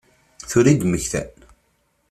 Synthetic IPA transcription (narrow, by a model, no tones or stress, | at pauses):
θuɾid̪məçθæ̰n